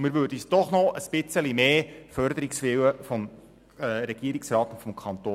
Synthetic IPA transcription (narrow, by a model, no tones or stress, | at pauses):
mɪɾvøːɾdəyːsd̥ɔχnɔəsb̥ɪt͡səlimeːfœɾd̪əɾiksʋɪwəfɔm | ɛɾɛɡ̥iəɾiksrɑːt̪ʊntfɔmkʰɑnt̪oː